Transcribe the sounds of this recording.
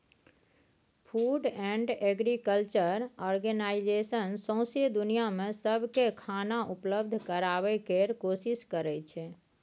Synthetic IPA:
pʰuɖɛ̃ɳɖeɡɾikəlt͡ʃəɾɔɾɡənaid͡ʒesənsə̃ʊ̃sed̪unijamesəbʱkekʰanaʔupləbd̪ʱkəɾaβɛkeɾkosiskəɾɛt͡ʃʰɛ

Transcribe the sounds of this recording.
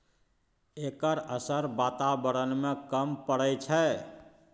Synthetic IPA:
ekəɾəsəɾbat̪abəɾənmẽkəmpəɽɛt͡ʃʰɛ

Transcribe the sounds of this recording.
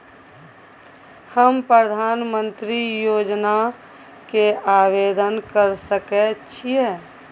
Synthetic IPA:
həmpɾəd̪ʱaːnmə̃nt̪ɾijoːd͡ʒna | keaːʋeːd̪ənkəɾsəket͡ʃʰieː

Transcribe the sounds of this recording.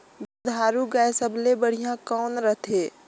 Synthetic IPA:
bud̪ʱaːɾuɡaesəbʱlebəɽ̤ijãkɔːnɾət̪ʰeː

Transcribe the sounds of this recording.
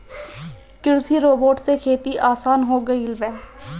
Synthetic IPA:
kɪɾsiɾoːboːʈsekʰeːt̪iʔaːsaːnɦoːɡəiɪlbɛ̃ː

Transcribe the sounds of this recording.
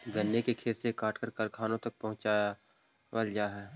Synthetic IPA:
ɡɐnːekekʰeːɾsekaːʈʰkəɾkɐlkʰaːnõt̪ɐk̚pɐɦʊ̃t͡ʃa | wəld͡ʒaːɦɛː

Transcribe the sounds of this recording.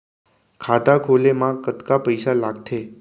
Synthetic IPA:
kʰat̪akʰolemãkːət̪kapəjsalaɡt̪ʰe

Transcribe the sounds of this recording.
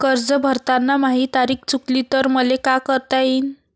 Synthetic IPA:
kəɾd͡zəbʱəɾt̪anːamaɦit̪aɾiːk̚t͡suklit̪əɾməlekakəɾt̪ain

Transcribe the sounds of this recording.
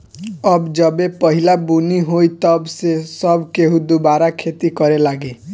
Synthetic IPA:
ɔbd͡ʒɔbepɔɦilabuniɦojt̪ɔbsesɔbkeɦũd̪ubaɾakʰet̪ikɔɾelaɡe

